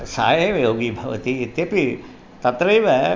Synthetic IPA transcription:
sa̰ːjeʋjoːɡibʱaʋə̰t̪iːt̪japi | t̪at̪ɾɐjʋɛ

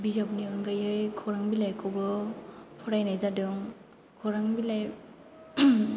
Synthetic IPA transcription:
bizap̚niɯnɡajɯjkʰɔɾaŋbilajkʰɔwbɯpʰɔɾajnajzadɯŋ | kʰɔɾaŋbilaj

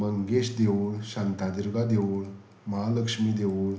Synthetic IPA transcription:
məŋɡeɕd̪eʋuɭɕant̪ad̪iɾɡad̪eʋuɭ | məɦaləkʂmiːd̪eʋuɭ

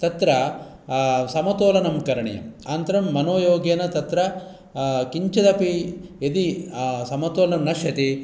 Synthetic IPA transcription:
t̪ɐt̪ɾɐ | sɐmɐt̪oːlɐnɐmkɐɾɐɳɐ̰jɐ̰maːnt̪ɐɾɐmːɐnoːjoːɡjɐnɐt̪ɐt̪ɾɐ | kiɲt͡ʃɐd̪ɐpied̪isɐmɐt̪oːlɐnɐmnɐʃjɐt̪i

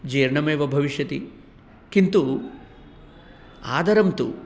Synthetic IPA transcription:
d͡ʒɐjɾɳɐmeːʋɐbʱɐʋiʃjɐt̪i | kint̪u | a̰ːd̪ɐɾɐmt̪ṵ

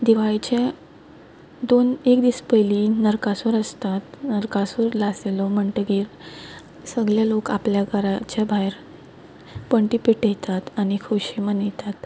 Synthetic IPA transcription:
d̪iʋaɭt͡ɕe | d̪onekd̪iːspəjlinəɾkasuɾəst̪at̪nəɾkasuːɾlaselɔm̤əɳʈɡiːɾ | səɡɭjalokapljaɡaɾat͡ɕabʱajɾ | pəɳʈipiʈjet̪at̪añikʰoɕimənet̪at̪

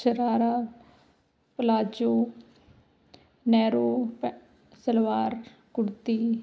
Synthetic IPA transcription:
ʃəɾaːɾaː | pəlaːd͡ʒoː | nɛːɾoːp | səlʋaːɾ | kʊɽt̪iː

